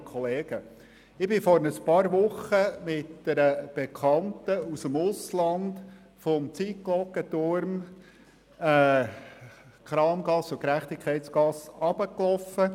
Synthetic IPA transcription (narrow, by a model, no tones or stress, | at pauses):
kʰχɔleːɡ̥ə | ɪbɪfɔɾnəspɑːɾʋʊχəmɪtd̥ɛɾəb̥ɛkʰɑnt̪əusəmʊslɑnd̪ | fɔmt͡siːtklɔkːətʊɾm | ɛː | kɾɑːmɡɑsːʊkɾæχt̪ɪkʰχɛɪt̪t͡sɡɑsɑb̥əklɔfə